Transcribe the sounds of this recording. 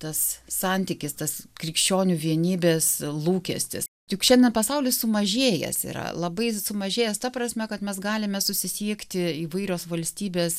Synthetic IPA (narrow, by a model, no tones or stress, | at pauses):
t̪ɐssɑnʲt̪ʲɪkʲɪst̪ɐskɾʲɪkʃʲt͡ʃʲoːnʲuʋʲiɛnʲiːbʲeːslˠuːkʲɛsʲt̪ʲɪ̰stʲɪkʃʲɛnʲd̪ʲɛnpɐsɐʊlʲɪssʊmɐʒʲeːjɛ̰sḭːɾɐ̰lˠɐbɐɪsʊmɐʒʲeːjɛst̪ɐpɾɐsʲmʲɛkɐt̪mʲɛsɡɑːlʲɪmʲɛsʊsʲɪsʲiɛkt̪ʲɪiːʋɐɪɾʲoːsʋɐlʲsʲt̪ʲiːbʲeːs